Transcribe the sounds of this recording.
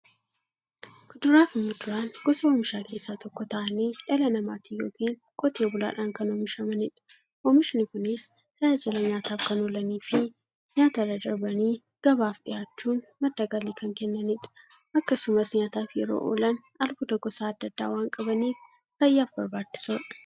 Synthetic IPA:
ɡ̥ʊd̪ʊɾaːfɪmːʊd̪ʊɾaːnɡ̥ɔsɐoːmɪʃaːkʰe̞ːsːaːt̪ɔkːɔt̪ɐʔɐniːᶑɐlɐnɐmaːt̪iːjo̰ːkiːŋ | kʼɔt̪eːbʊla̰ːᶑaːŋkɐnoːmɪʃɐmɐnɪᶑɐ̥ | ʔoːmɪʃnɪkʊnɪs | t̪ɐjaːd͡ʒɪlɐɲaːt̪aːfkɐnɔlɐniːfɪ | ɲaːt̪ɐrɐd̪ɐɾbɐniː | ɡ̥ɐbaːfᶑɪjaːt͡ʃːuːnmɐd̪ːaɡɐliːkɐŋkɛnːɐnɪᶑɐ̥ | ʔɐkːɐsʊmɐsɲaːt̪aːfjɛɾo̰ːʔo̰ːlɐn | ɐlbʊd̪ɐɡɔsaːɐd̪ːɐd̪ːa̰ːwaːŋkʼɐbɐniːf | fɐjːaːfbɐɾbaːt͡ʃːɪ̥soːᶑɐ̥

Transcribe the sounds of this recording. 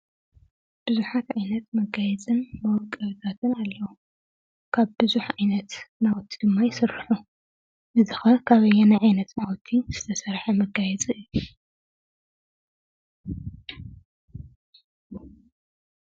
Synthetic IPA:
b̥ɨzuħat̪ʕajnɐt̪mɐɡajɛt͡sʼɨnmɐwɔkʼɐβɨt̪ʰat̪ʰɨnalːɐwu | kʰaβbɨzuħʔajnɐt̪nawɔt̪ʰːid̪̥ɨmːajɪsɨɾħu | ʔɨzɨxɐkʰaβɐjːɛnajʕajnɐt̪nawɔt̪ʰːiz̥ɨt̪ʰɐsɐɾħɐmɐɡajɛt͡sʼɨɨjːu

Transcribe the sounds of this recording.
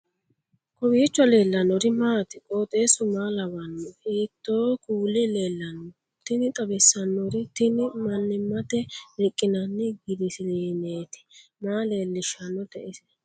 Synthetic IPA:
kɔbiːt͡ʃːwɐle̞ːlːɐnɔɾɪmaːt̪ɪkʼoːt̪ʼe̞ːsʊmaːlɐwɐnːiːt̪ːoːkuːlːɪle̞ːlːɐnɔ | t̪ːɪnɪt̪ʼɐbɛsːɐnːɔɾɪt̪ɪnɪmɐnːɪmːɐt̪ɛɾɪkʼːɪnɐnːɪɡɪd̪ɪsɪleːneːt̪ɪ̥maːle̞ːlːɪʃɐnːɔt̪ɛʔɪsɛ

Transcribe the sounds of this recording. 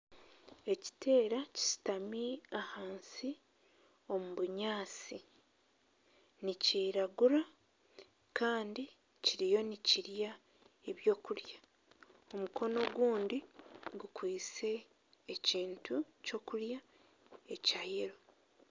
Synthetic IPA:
e̞ci̥tʰe̞ːɾaci̥si̥tamiahaːnsi | o̞muβuɲaːsi | niciːɾaɡuɾa | kaːndi | ciɾijo̞niciɾja | e̞βjo̞ːkulja | o̞muko̞no̞ɡwuːndiɡukwiːt͡se̞ː | ciːntuco̞kuɾja | e̞cajiɾo̞

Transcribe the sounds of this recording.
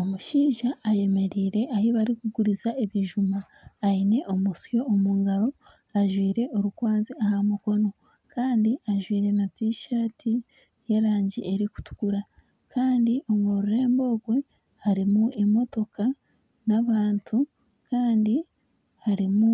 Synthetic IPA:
o̞muʃiːʒaːje̞me̞ɾiːɾe̞ʔahiβaɾikuɡuɾizaʔeβiʒumaː | ine̞ʔo̞musjo̞ːmuːŋɡaɾo̞ | aʒwiːɾe̞ʔo̞ɾukwaːnziahamuko̞no̞ | kaːndiaʒwiːɾe̞natiʃaːtʰi | je̞ɾaːɲɟḭʔe̞ɾiku̥tu̥ɡuɾa | kʰaːndiʔoŋɡoɾuɾe̞ːmbo̞ːɡwe̞ | haɾimuʔemo̞to̞ka | naβaːntʰu | kaːndi | haɾimu

